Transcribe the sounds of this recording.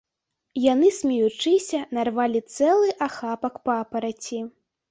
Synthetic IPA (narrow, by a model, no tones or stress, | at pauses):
jan̪ɨsʲmʲɛjut͡ʂɨsʲɐnarvalʲit̪sɛlˠɨʔaxapɐkpapɐɾat͡sʲi